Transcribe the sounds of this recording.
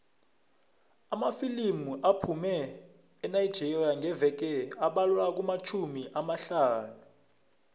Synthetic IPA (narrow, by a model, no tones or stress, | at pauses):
amafilimuʔapʰumɛː | najd̥d͡ʒʱɛriaŋɛvɛk̬ɛaɓalwak̬umat͡ʃʰumiʔamaɬaːnu